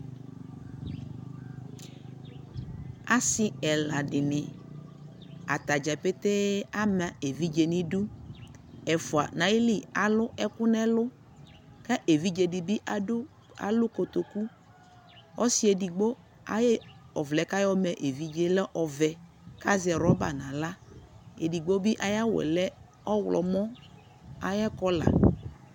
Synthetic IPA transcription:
a˦sɪ˦ɛ˨la˨ɖɪ˨nɪ̃˨ | a̰˨t̪a˨d͡ʒɛ˨pe˦t̪ɛ˦a˦mã˨e˨vi˦d͡ʒe˨nĩ˦ɖu˦ | ɛ˨fu˨a̰˨nã˨ji˦li˦a˨lʊ˦ɛ˦kʊ˦nɛ˦lʊ˦ | kɛ˦ʔe˨vi˦d͡ʒe˨di˨bi˦ʔ | a̰˨lʊ˦ko˨t̪o˨ku˦ | ɔ̰˦si˦e˨di˨ɡ͡bo˦ | a̰˨jɛ˦ɔ˨vlɛ˨ka˦jɔ˦mɛ˨ʔe˨vi˨d͡ʒe˨lɛ˦ʔɔ˨vɛ˨ | ka˦zɛ˨ɾɔ˨˦ba̰˨nã˨la˦ḛ˨di˨ɡ͡bo˦bi˦ʔa˨ja˦wɛ̰˨lɛ˦ | ɔ˦wlɔ̰˨mɔ̃˦ | a˨jɛ˦kɔ˦la̰˨

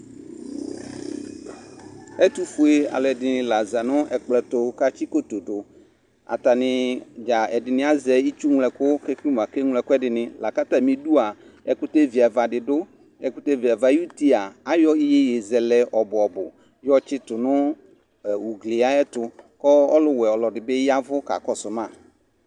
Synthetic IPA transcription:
ɛ˦t̪u˦fu˨˦e˦a̰˨lɛ˨dɪ˨nɪ̃˦la˨za˨nʊ̃˦ɛ˨k͡plɛ˨t̪ʊ˦ka˦t͡ʃi˦ko˦t̪o˨dʊ˨ | a̰˨t̪a˨nɪ̃˨d͡ʒa˨ɛ˨dɪ˨nɪ̃˦a˦zɛ˨i˦t͡ʃu˦ŋ˨lɛ˨kʊ˦kɛ˦ki˦m˨a˨kɛ˦ŋlɛ˨kʊ˦ɛ˦dɪ˨nɪ̃˨la˨ka˦t̪a˦mĩ˨du˦a˨ | ɛ˦kʊ˦te˦vi˨a˨va˨dɪ˨dʊ˦ | ɛ˨kʊ˦te˦vi˨a˨va˨ju˦ti˦a˨a˨jɔ˦i˦je˦je˨zɛ˨lɛ˨˦ʔɔ˨bʊ˨ɔ˨bʊ˨ | jɔ˦t͡ʃɪ˦tʊ˨nʊ˦˨ | wu˨ɡle˨a˦ɛ˦tʊ˨kɔ˦ɔ˦lʊ˦wɛ˨ɔ˨lɔ˨dɪ˨bɪ˦ja˦vʊ˦ka̰˨kɔ˨sʊ˨mã˦˨

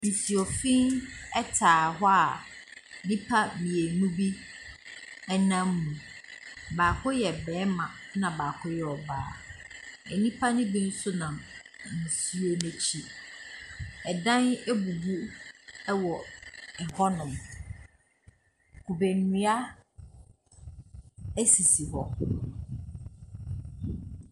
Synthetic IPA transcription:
n̩˨si˨ɔ˨fĩ˦nɛ˦tʰaː˨ɦɔ˦a˨ | nĩ˦pʰa˦mĩ˨e˨nũ˦bi˦ | ɛ˦nã˦mː˦ũ˨ | baː˨kʰʊ˦jɛ˨bɛ̃ː˨˦mã˨ | nã˨baː˨kʰʊ˦jɛ˨ɔ˨baː˦ | ɛ˨nĩ˦pʰa˦nĩ˦bĩ˦n̩˦sʊ˦nã˨m | n̩˨si˦o˦nẽ˨t͡ɕʰi˦ | ɛ˨dã˦ne˦bu˨bu˦ɛ˦wɔ˨ | hɔ˦nʊ̃˨m | kʰu˨be˨nũ˨˦a˦ | æ˦si˨si˨hɔ˦

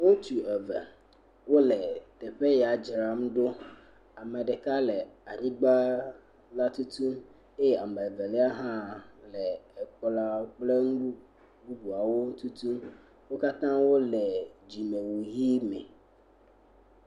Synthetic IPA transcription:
wo˦t̪u˨ɛ˨vɛ̰˨ | wo˦lɛ˨t̪ɛ˨ɸɛ˦ja˨d͡ʒɾa˨˦mɖo˦ | a˨mɛ˨ɖɛ˨ka˦lɛ˨a˨ɲĩ˦ɡ͡ba˦ | la˦t̪u˦t̪ũ˦m | e˦je˦a˨mɛ˨vɛ˨lɛ˦a˦ɦã˦lɛ˨ɛ˨k͡pɔ˦la˦k͡ple˦ŋu˦bu˦ | bu˦bu˨a˨wo˦ŋ̩˦t̪u˦t̪u˦m | wo˦ka˦t̪ã˦wo˦lɛ˨d͡ʑi˨me˨wu˨ɦi˦mɛ̰˨

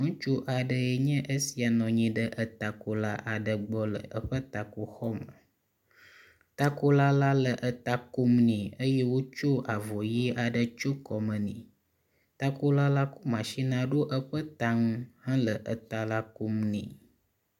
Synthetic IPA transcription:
ŋũ˦t͡ʃu˦ʔa˨ɖə˦je˨ɲɛ̃˦ʔə˦si˨a˨nɔ̃˨ɲĩ˨ɖə˦ʔə˨t̪a˨ko˨la˦ʔa˨ɖə˨ɡ͡bɔ˦lə̰˨ʔə˦ɸə˦t̪a˨ku˨xɔ˦mə̰˨ | t̪a˦ko˦la˦la˦lə˨ʔə˨t̪a˨ku˦mnĩ˨ə˦je˦wo˦t͡ʃo˦a˨vɔ˨ji˦a˨ɖə˨t͡ʃo˦kɔ˨mə̃˨nḭ̃˨ | t̪a˦ko˦la˦la˦ku˦mã˨ʃi˦nã˦ɖo˦ʔə˦ɸə˦t̪a˦ŋũ˦hã˦lə˨ʔə˨t̪a˨la˦ku˦mnḭ̃˨

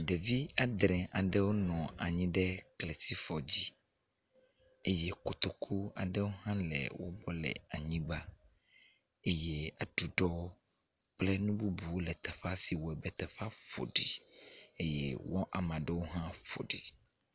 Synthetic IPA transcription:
ɖe˨vi˦a˨d̪ɾɛ̃˨ʔa˨ɖɛ˦wo˦nɔ̃˨a˨ɲĩ˦ɖɛ˦klɛ˨si˦fɔ˨d͡ʑi˦ | e˦je˦ko˨t̪o˨kʰu˦a̰˨ɖɛ˦wo˦hã˦lɛ̰˨wo̰˦bɔ˦lɛ̰˨a˨ɲĩ˦ba˦ | e˦je˦a˨ɖu˨ɖɔ˦wo˦ | k͡plɛ˦nũ˦bu˦bu˨wo˦lɛ˨t̪ɛ˨fa˦si˨wo˨ɛ˨bɛ˨t̪ɛ˨fa˦ɸo̰˨ɖi˨e˦jɛ̰˦wɔ˦ʔa˨mã˨ɖɛ˦wo˦ɦã˦ɸo̰˨ɖi˨

